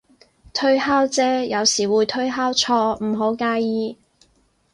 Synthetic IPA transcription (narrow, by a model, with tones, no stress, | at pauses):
t̪ʰɵ˥ɥhaː˥wt͡sɛː˥jɐ˨˧wsiː˨˩wuː˨˧jt̪ʰɵ˥ɥɦaː˥wt͡ʃʰɔː˧m̩˨˩ɦo˨˥wkaː˧jjiː˧